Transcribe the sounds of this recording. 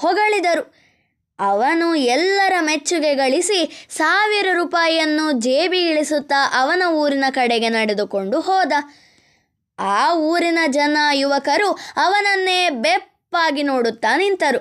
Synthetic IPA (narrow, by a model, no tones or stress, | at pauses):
hɔɡɐɭid̪ɐɾu | ɐʋɐnuɛlːɐɾɐmet͡ʃːuɡeɡɐɭisisaːʋiɾɐɾuːpaːjɐnːud͡ʒeːbiɡiɭisut̪ːɐʔɐʋɐnɐuːɾinɐkɐɽɛɡe̞nɐɽed̪uko̞ɳɖuɦɔːd̪ɐ | aːuːɾinɐd͡ʒɐnaːjuʋɐkɐɾuɐʋɐnɐnːe̞ːbepːaːɡinoːɽut̪ːaːnint̪ɐɾu